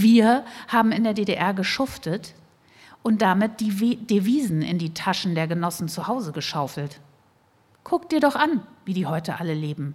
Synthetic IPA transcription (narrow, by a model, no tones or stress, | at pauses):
viːɐhaːbm̩ɪndeːɐdeːdeʔɛɐɡəʃʊftət | ʔʊnt̚d̥amɪt̚d̥id̥eviːzn̩ɪ̰ndiːtʰaʃn̩deːɐɡənɔsn̩t͡suhaʊzəɡəʃaʊfl̩t | kʰʊk̚t̚d̥iːɐɾɔχʔanviːdiːhɔʏtəʔaləleːbm̩